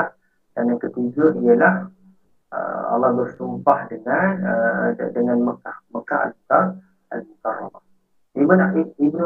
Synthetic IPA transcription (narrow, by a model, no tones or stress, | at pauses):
ah | danankət̪ud͡ʒʊʔijəlah | ə̰ɑ̰lːɑhbərsumpahdəŋanədəŋanməkahməkaɦa̰lmukaŋ | a̰lmukara̰mah | imənaiibn